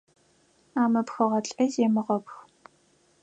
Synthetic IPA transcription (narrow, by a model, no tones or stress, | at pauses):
aːmɐpxɐʁɐɬʼɐzeːmɨʁɐpxʷ